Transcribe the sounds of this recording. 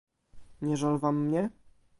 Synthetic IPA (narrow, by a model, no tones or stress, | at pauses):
ɲɛʐalvamːɲɛ